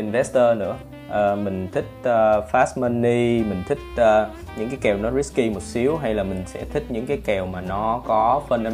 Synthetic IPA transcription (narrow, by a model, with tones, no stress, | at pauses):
ʔi˨nvɛ˦˥st̪əː˧nɨ̰˧˥ə | ʔəː˨˩mï˨˩ŋ̟t̪ʰï˦˥k̟̚əː˧faː˦˥smə˧nːi˧mï˨˩ŋ̟t̪ʰï˦˥k̚ʔəː˨˧ | ɲɨ̰˧˥ŋkaː˨˦jkɛ˨˩wnɔ˨˦ɾi˦˥ki˧mo˨˩t̚si˨˦əwɦa˧jlaː˨˩mï˨˩ŋ̟sɛ̰˧˥t̪ʰï˦˥k̟̚ɲɨ̰˧˥ŋkaː˨˦jkɛ˨˩wmaː˨˩nɔ˨˦kɔ˨˦fə˧na˧